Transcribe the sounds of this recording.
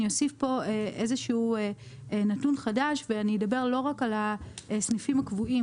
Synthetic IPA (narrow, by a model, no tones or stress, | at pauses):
io̞sifpo̞eʔezeʃuːe | natunχadaʃveanijedabe̞ʁlo̞ʁakalaesnifimakvui